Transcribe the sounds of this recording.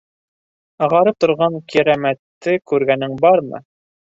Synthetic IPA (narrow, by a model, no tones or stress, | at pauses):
ɤ̆ʁɑɾɤp̚t̪ŏɾʁɑŋkʰiɾæmæt̪ːɘkʉɾɡænɘŋbɑɾmɤ̰